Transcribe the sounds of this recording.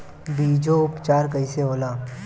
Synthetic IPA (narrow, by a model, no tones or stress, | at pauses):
biːd͡ʒoʊpt͡ʃaːɾkəiseɦoːlaː